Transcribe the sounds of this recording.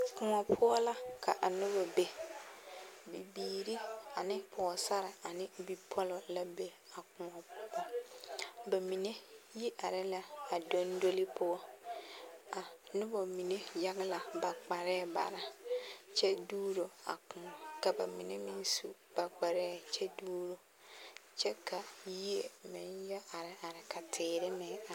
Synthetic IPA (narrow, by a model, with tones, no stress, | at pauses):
kʊ˨ŋɔ˨pʰʊ˦ɔ˦la˦kʰa˨ʔa˨nʊ˦bɔ˨be˨ | bi˨biː˨ɾi˦a˨nɪ˦pʰɔ˨ɔ˨sa˦ɾɪ˨a˨nɪ˦bi˦pʰɔ˦lɔ˨la˦be˦ | a˨kʊ̃˨ŋɔ˨˦bɔ˦ | ba˨mi˨ne˦ji˦ʔa˨ɾɪ˦la˦a˨do˦ndo˦lɪ˦pʰʊ˦ɔ˦ | a˨nʊ˦bo˨mi˨ne˦ja˦ɡɪ˦la˨ba˨k͡pa˨ɾɛː˦˨ba̰˨ɾa˦t͡ʃɛ˦duː˦ɾo˨a̰˨kʊ̃˨ɔ˨ka˨ba̰˨mi˨ne˦mɪ̃˦n˦su˦ | b̥a˨k͡pa˨ɾɛː˦t͡ʃɛ˦duː˦ɾo˨ | t͡ʃɛ˦kʰa˨ji˦e˨mɪ˨˦njɛ˦a˨ɾɪ˨ʔa˨ɾɪ˨ka˨tʰɪː˨ɾɪ˦mɪ˨˦a˨